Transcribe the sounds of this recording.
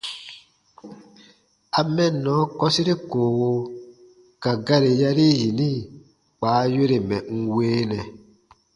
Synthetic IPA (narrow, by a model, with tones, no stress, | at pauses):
a˨mɛ̃˦nɔ̃˨˦kɔ˦si˦ɾe˦koː˨wo˧ | ka˨ɡa˦ɾe˨ja˧ɾe˦ji˨nĩ˦˨ | k͡paː˨˦je˦ɾe˨mɛ̃˨ŋ̩˦weː˦nɛ̃˨